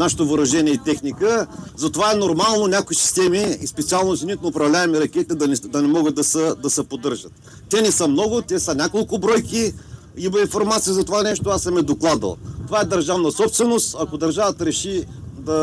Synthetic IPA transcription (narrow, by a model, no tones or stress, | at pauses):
naʃɛ̥t̪ovoɾɐʒɛnʲiɛit̪ɛxnikəzɐt̪ovaɛnoɾmalˠnonʲakoisi̥st̪ɛmiːspɛt̪sialˠnot̪sinit̪nʊpɾɐvlʲavɛmɛɾɐkʲɛt̪it̪ɛd̪ɐnɛd̪ɐnɛmɔɡəd̪̚ɐsəd̪ɐsɛpod̪ɤɾʒət̪ː | ɛnɛsəmnɔɡʊt̪ʲɛsənʲakolˠkʊbɾɔjkʲi | ibɐĩnfoɾmat̪sijəzɐt̪ovanɛʃt̪oasɐmɛd̪oklˠad̪ə̰lˠt̪ovaɛd̪ɐɾʒavnɐsɔpst̪vɛnost̪ɐkod̪ɐɾʒavət̪əɾɛʃid̪ɐ